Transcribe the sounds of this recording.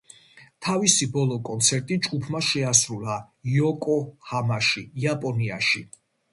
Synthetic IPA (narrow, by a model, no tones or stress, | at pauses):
t̪ʰavisibɔlˠɔkʼɔnt̪sʰɛɾt̪ʼid͡ʒɡupʰmaʃɛasɾulˠa | jɔkʼɔhamaʃiiapʼɔnia̰ʃi